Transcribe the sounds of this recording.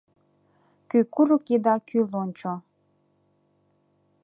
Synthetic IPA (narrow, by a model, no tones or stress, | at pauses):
kykuɾukid̪ɑkʰylonʲt͡ɕo